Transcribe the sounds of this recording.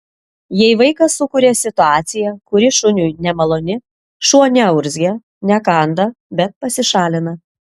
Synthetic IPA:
jɛɪʋɐɪkɐsʊkʊɾʲeːsʲɪt̪ʊɑːt̪sʲɪjɛkʊɾʲɪʃʊnʲujnʲɛmɐlˠoːnʲɪ | ʃuɔnʲɛɐʊɾʲzʲɡʲɛ | nʲɛkɑnd̪ɐ | bʲɛt̪̚pɐsʲɪʃɑːlʲɪnɐ

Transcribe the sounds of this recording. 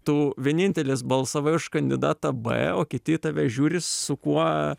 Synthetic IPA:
t̪uʋʲiɛnʲɪnʲt̪ʲɛlʲeːsbɐlˠsɐʋɐɪʊʃkɐnʲd̪ʲɪd̪ɑːt̪ɐbɛ̰oːkʲɪt̪ʲɪt̪ɐʋʲɛʒʲuːɾʲɪssʊkuɔ

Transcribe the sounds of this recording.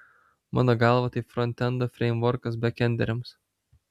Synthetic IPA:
mɑ̰ːnoːɡɑːˑlˠʋɐt̪ɐɪpfɾɔnʲt̪ʲɛnd̪ofʲɾʲɛɪmʋɔɾkɐs̬bʲɛkʲɛnʲd̪ʲɛ̰ɾʲɛms

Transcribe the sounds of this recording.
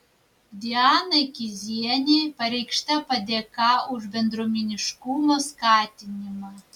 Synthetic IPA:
d̪ʲiɑnɐjkʲizʲiɛnʲejpɐɾʲɛjkʃt̪ʲæpɐd̪ʲɛkɑuʒbʲɛnd̪ɾomʲenʲiʃkumoskɑt̪ʲinʲimɑ

